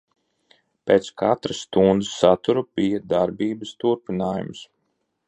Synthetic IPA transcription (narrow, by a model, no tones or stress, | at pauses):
peːt̪skʰat̪ɾɐsːt̪und̪ɨsːat̪uɾubijɐd̪aɾbiːbɐst̪uɾpinaːjṵms